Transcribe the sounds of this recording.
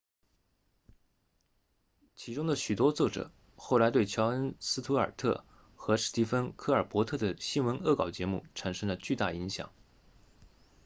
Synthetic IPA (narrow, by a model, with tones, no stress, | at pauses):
t͡ɕʰi˧˥ʈ͡ʂʊ˥ŋd̪ə˨ɕy˨˩t̪wɔ˥t͡swɔ˥˩ʈ͡ʂɤ̰˨˩˦ | xo˥˩ʊla˧˥ɪt̪we˥˩ɪt͡ɕʰjɑ˧˥ʊə˥nsɹ̩˥t̪ʰu˧˥ə̰˞˨˩t̪ʰɤ̰˥˩ | xɤ˧˥ʂɻ̩˥˩t̪i˥fə˥nkʰɤ˥˩ə˞˨˩pwɔ˧˥t̪ʰɤ˥˩d̪ə˩ɕi˥nwə˧˥nɤ˥˩kɑ˨˩ʊt͡ɕjɛ˧˥mṵ˥˩ʈ͡ʂʰa˨˥ŋʂə˥ŋd̪ə˨t͡ɕy˥˧t̪a˥˩i˧˥ŋɕjɑ̰˨˩˦ŋ